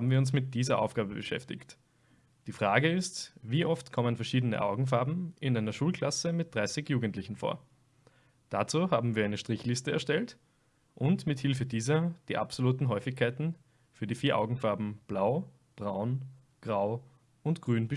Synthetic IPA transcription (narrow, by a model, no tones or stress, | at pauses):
habm̩viːɐʊns̬mɪt̚d̥iːzɐʔa̰ʊfɡ̥aːbəbəʃɛ̰ftɪ̰çt | d̥iːfʁ̥aːɡəɪstviːʔɔftkʰɔmənfɛɐʃiːdənə̰ʔaʊɡŋ̩f̬aɐbm̩ɪnʔaɪnɐʃuːlkʰl̥asəmɪt̚d̥ʁaɪsɪçjuːɡəntlɪçn̩fo̰ːɐ | d̥at͡suːɦaːbm̩viːɐaɛɪnəʃtʁ̥ɪçlɪstəɛɐʃtɛlt | ʔʊntmɪthɪlfədiːzɐd̥iːʔa̰psoluːtn̩ɦɔʏfɪçkʰːaɪtn̩ | fyːɐdiːfiːɐʔa̰ʊɡŋ̩faɐbm̩b̥laʊ | b̥ʁaʊn | ɡ̥ʁaʊ | ʊntɡ̥ʁyːnbə